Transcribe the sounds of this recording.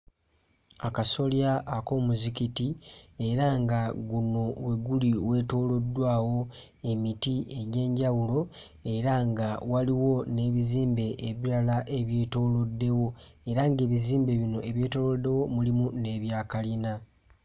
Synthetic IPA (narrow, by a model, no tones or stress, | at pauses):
akaso̞ljaʔːko̞muzikitie̞ɾaŋɡaɡuno̞we̞ɡuliwe̞ːto̞ːlo̞dːwaːwo̞ | e̞mitie̞ɟe̞ːɲɟawulo̞ | e̞ɾaŋɡawaliwo̞ne̞βiziːmbe̞ʔːβiɾalaʔe̞βje̞ːto̞ːlo̞dːe̞wo̞ | e̞ɾaŋɡe̞ːβiziːmbe̞βino̞ʔe̞βje̞ːto̞ːlode̞wo̞mulimune̞βjaːkalina